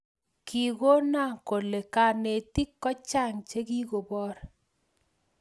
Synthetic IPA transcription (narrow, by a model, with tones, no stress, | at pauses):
ki˨ɡo˦na˦˨ko˨le˨ka˨ne˨t̪i˦kːɔ˦t͡ʃa˦ŋt͡ʃe˦ɡi˦ɡo˨bɔ˦ɾ